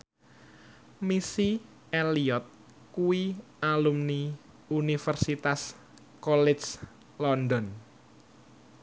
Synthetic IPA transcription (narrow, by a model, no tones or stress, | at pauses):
misi | eliɔt̪̚ | kuwi | alumni | unifərsit̪as | kɔlɛs | lɔnd̪ɔn